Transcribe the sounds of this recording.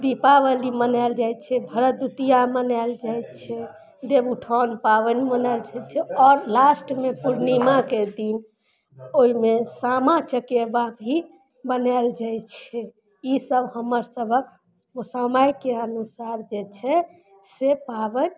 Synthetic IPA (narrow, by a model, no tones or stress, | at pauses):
d̪ipabəlimənald͡ʒajt͡ʃʰɛbʱəɾəd̪ut̪ijamənald͡ʒajt͡ʃʰɛ | d̪ebuʈʰɔnpaβənmənald͡ʒat͡ʃʰɛɔɾlasʈmepuɾnimaked̪in | oimesamat͡ʃəkebabʱi | bənald͡ʒajt͡ʃʰɛ | isəbhəməɾsəbʱək | osamajkeənusaɾd͡ʒet͡ʃʰɛ | sepabən